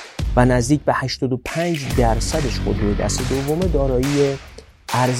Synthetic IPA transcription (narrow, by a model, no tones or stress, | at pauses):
vænæzd̪iːc̚behæʃt̪ɒːd̪opʰænd͡ʒd̪æɾsæd̪eʃxod̪uɾed̪æ̰st̪ed̪ovːome̞d̪ɒːɾɒːjije | ʔæɾ